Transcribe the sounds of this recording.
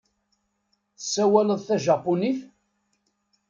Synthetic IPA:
θə̥sːæwæləðˤθæʒɑpːuniθ

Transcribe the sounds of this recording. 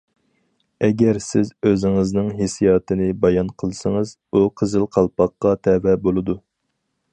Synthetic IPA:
ɛɡʲæɾsɪzøzɪŋɨznɨŋɦesijɑːt̪ɨnɨbɑjɑnqʰəlˠɨsəŋɨz̥ | uqʰəzɪlqʰɑlˠpɑqːɑt̪ʰɛvɛbolˠɨd̪u

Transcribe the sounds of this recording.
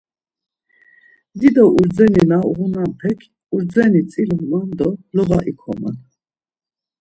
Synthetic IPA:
d̪id̪ɔʔuɾd͡zɛninaṵʁunanpʰɛkʰ | uɾd͡zɛnit͡sʼilɔmand̪ɔlɔvaʔikʰɔma̰n

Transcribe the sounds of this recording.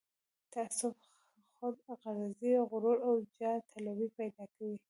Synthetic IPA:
t̪asʊf | xʊd̪ɣaɾaziɣʊɾoɾawd͡ʒɑt̪ʰalabipajd̪ɑkawi

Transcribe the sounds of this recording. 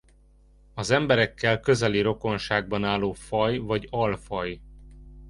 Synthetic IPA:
ɒzɛmbɛɾɛkːɛlkø̞zɛliɾo̞ko̞nʃaːɡ̚bɒnaːlːoːfɒjvɒɟɒlfɒj

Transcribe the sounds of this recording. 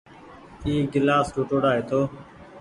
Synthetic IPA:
iːɡɪlaːsʈoːʈoːɽaːɦeːt̪ʰoː

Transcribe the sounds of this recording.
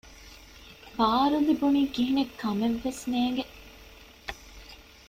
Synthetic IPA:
baːɾulibuniːkiɦinekːɐmeʋːesneːŋɡe

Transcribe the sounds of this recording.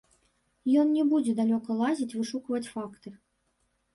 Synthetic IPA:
jɔnnʲɛbud͡zʲɛd̪alʲɔkɐlˠazʲit͡sʲvɨʂukɐvɐt͡sʲfakt̪ɨ

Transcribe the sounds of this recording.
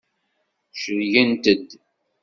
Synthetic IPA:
ʃəɾʝænt̪əd̪

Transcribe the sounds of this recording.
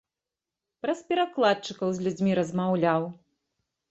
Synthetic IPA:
pɾɐspʲɛɾaklˠat̪̚t͡ʂɨkɐwzʲlʲud͡zʲmʲiɾɐzmawlʲaw

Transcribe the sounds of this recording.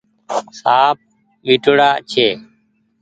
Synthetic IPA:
saːp̚ | ɓiʈɽaːt͡ʃʰeː

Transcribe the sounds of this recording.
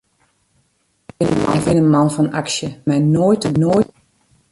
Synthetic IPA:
ɪnəɔ̰nvɪnənmɑnfɔnaksjəmɛnoːjtnoː

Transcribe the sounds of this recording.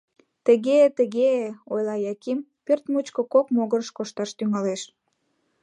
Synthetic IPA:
t̪əɣet̪əɣeojlɑjɑkim | pørt̪mut͡ɕkəkokmoɣəɾəʃkoʃt̪ɑʃt̪yŋɑleʃ

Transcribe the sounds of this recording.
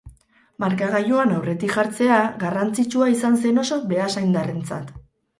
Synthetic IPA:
maɾkaɣajoanawre̞t̪ikʝaɾt͡se̞aɣarant͡sit͡ʃuais̬anse̞no̞so̞be̞asajnd̪are̞nt͡sa̰t̪

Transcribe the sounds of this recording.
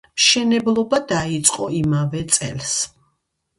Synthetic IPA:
mʃɛnɛblˠɔbad̪ait̪sʼqʼɔimavɛt̪sʼɛ̰ls

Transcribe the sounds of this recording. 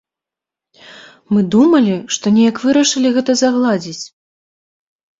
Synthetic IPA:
mɨd̪umɐlʲiʂt̪ɔnʲɛjɐkvɨɾɐʂɨlʲiɣɛt̪ɐzaɣlˠad͡zʲit͡sʲ

